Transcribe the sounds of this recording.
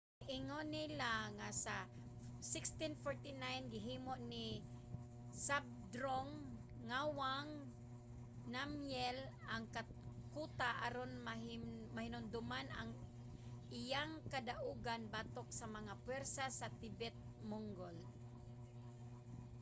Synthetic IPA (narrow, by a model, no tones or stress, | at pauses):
ʔɪŋonɪlaŋasa | sɪkst̪infoɹt̪inajnɡɪɦiːmoʔnɪ | sab̚d̪ɾoŋː | awaŋ | namjɛlʔaŋka | kut̪aʔaɾonmaɦmahɪnʊnd̪ʊmanaŋ | ʔɪjaŋkad̪aʔuːɡanbat̪ok̚samaŋapwɛɾsasat̪ɪbɛt̪̚mʊŋɡol